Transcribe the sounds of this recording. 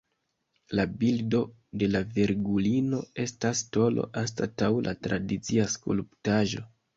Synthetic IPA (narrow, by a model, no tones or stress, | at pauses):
labildo̞ | de̞laveɾɡulino̞e̞stasto̞lo̞̰ʔanstatawlʔa̰tɾʔadit͡siaskṵlptaʒo̞̰